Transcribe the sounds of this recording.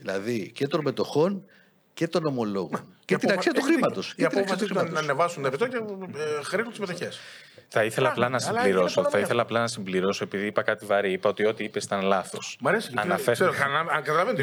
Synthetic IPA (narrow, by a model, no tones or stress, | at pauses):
ðilɐðice̞t̪o̞nme̞t̪o̞xo̞n | ce̞t̪o̞no̞mo̞lo̞ɣncet̪inɐksiɐt̪uxɾimɐt̪o̞sceɐt̪nnɐksisɐt̪iɾiɐnevɐsunepit̪ocexɾinunt̪izme̞t̪o̞çes | θɐiθelɐːplɐnɐsimbliɾo̞soθɐiθelɐːplɐnɐsimbliɾo̞soepiðiipɐkɐt̪ivɐɾiipɐot̪io̞t̪iipe̞st̪ɐnlɐθo̞smɐɾesiɐnɐfeseɾɐɐɐkɐt̪ɐlɐven